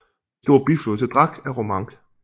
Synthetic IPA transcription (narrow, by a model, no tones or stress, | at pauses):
sd̥o̝ɐb̥ifloːt͡sʰed̥ʁɑɡ̥æʁomɑ̈ŋɡ̥